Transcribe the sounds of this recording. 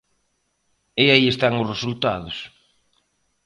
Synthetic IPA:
ɪaiest̪aŋʊsresult̪aðʊs

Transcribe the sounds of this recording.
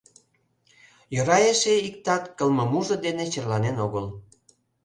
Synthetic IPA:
jøɾɑjeʃeikt̪ɑt̪kəlməmuʒə̆d̪enet͡ɕərlɑnenoɣəl

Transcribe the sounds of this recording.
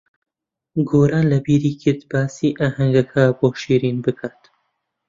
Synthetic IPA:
ɡoːɾaːlɐbiːɾiːkʰit̪baːsiːʔaːhɐŋɡɐkʰɐboːʃiːɾiːnbɨkʰaːt̪

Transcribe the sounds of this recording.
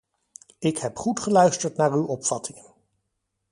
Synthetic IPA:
ɪkɦɛpχutχəlœɥstəɹtnaːɹywɔpfɑtʰɪŋən

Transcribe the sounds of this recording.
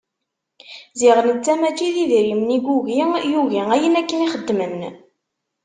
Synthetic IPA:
ziʁənt͡sːæmæt͡ʃiðiðɾimniɡuʝijuʝiæjənækːəniχəd̪ːməmn

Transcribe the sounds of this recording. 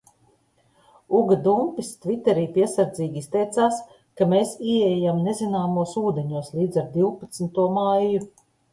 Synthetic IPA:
uɡad̪umpist̪vit̪ɛɾiːpiɛsaɾd̪ziːɡiist̪ɛjt̪saːs | kameːsiɛɛjamnezinaːmuɔsuːd̪eɲuɔslʲˠiːd̪zaɾd̪iwpat̪snt̪uɔmajju

